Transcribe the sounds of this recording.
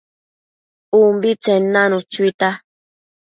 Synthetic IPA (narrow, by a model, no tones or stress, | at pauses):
umbit͡senːãnũt͡ʃuit̪a